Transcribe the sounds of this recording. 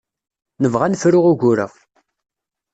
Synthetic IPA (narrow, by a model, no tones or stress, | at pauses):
nəvʁanfɾʊʁʊɡʊɾə̰ʁ